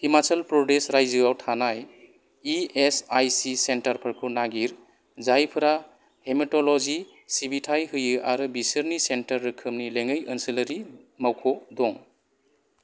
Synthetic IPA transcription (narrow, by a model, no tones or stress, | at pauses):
himat͡ʃalpɾɔdesɾajzɯɡawtʰanaj | iesajsisentaɾpʰɐɾkʰunaɡiɾ | zajpʰɯɾa | hemitɔlɔzi | sibitʰajɦɯjɯʔaɾɯbisɯɾnisentɐɾːɯkʰɯmnileŋɯjɯnsiləɾimawkʰɔdɔŋ